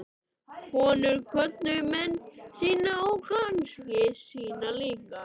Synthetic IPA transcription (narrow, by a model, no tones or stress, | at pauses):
kʰɔːnʏɾkʰvœt̪nʏmɛnːsiːnaɔwkʰanscɪsiːnaliːka